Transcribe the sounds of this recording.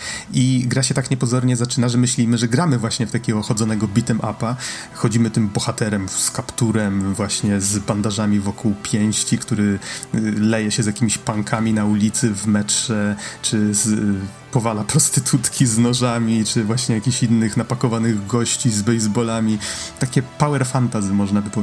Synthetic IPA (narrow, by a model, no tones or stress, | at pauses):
ʔiɡɾaɕɛt̪akɲɛpɔzɔɾɲɛzat͡ʂɘnaʐɛmɘɕlʲimɘʐɛɡɾamɘvwaɕɲɛft̪akʲɛɡɔxɔd̪zɔnɛɡɔbʲit̪ɘmʔa̰pa | xɔd͡ʑimɘt̪ɘmbɔxat̪ɛɾɛmskapt̪uɾɛmvwaɕɲɛzband̪aʐamʲivɔkuwpʲjɛw̃ɕt͡ɕikt̪uɾɘ | lɛjɛɕɛzʲjakʲimʲiɕpaŋkʰamʲinaulʲit̪sɘvmɛtʂɛt͡ʂɘz | pɔvalapɾɔst̪ɘt̪ʰut̪kʲiznɔʐamʲit͡ʂɘvwaɕɲɛjakʲiɕinːɘxnapakɔvanɘɣɡɔɕt͡ɕizbɛjzbɔlamʲit̪akʲɛpawɛɾfant̪azʲimɔʐnabɘpɔ